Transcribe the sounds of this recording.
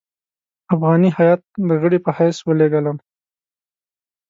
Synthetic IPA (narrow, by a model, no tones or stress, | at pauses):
afɣɑnihajɑt̪̚d̪əɣəɽipəhajswəleɡələm